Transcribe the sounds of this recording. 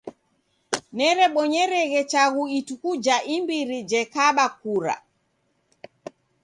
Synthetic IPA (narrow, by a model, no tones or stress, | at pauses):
nɛɾɛɓɔɲɛɾɛɣɛt͡ʃaɣuitukud͡ʒaʔimbiɾid͡ʒɛkaɓakuɾa̰